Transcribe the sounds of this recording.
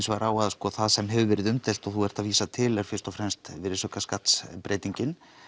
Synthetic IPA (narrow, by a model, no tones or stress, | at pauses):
nsvaɾaːwaðskɔθaðsɛmɦɛvʏvɪɾɪðʏmt̪ɛl̥t̪ɔɣθuɛɾ̥t̪aviːsat̪ʰɪlɛɾ̥fɪrst̪ɔfɾɛmst̪vɪɾsœkaskat̪spɾʔeːjt̪iɲcɪn